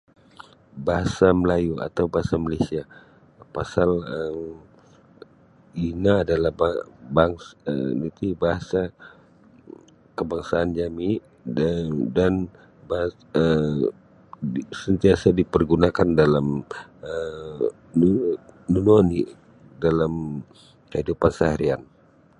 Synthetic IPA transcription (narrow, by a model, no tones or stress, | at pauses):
baɦasaməlajua̰t̪awbaɦasamalasia | pasalə | inaːdalahbabaŋsə̰nit̪ibaɦasa | kəbaŋsaːnd͡ʒami | dan | ba | ə | sənt̪iasadipərɡunakandalamə | nunoni | dalam | kəɦidupansaɦaɾian